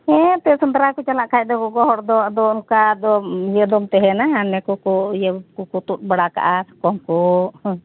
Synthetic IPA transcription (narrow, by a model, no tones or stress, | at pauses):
ɛt̪ɛsənd̪ɾakɔt͡ʃalaʔkʰajc̚d̪ɔkɔɡɔɦɔɾd̪ɔd̪ɔunkad̪ɔjəd̪ɔmt̪ɛɦɛnaɦanɛkɔkɔjəkɔkut̪ut̪̚baɽaka̰ʔakɔŋkɔ